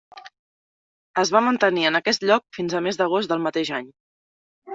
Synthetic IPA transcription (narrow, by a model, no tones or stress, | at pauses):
əzβamənt̪əniənəkɛst̪ʎɔk̚finzəmezd̪əɣ̞ozt̪d̪əlˠmət̪eʒaɲ